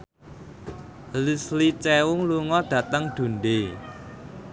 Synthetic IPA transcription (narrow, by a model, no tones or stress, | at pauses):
lislit͡ʃɛwʊŋluŋɔd̪̥ä̤t̪əŋɖ̪̥ṳnɖe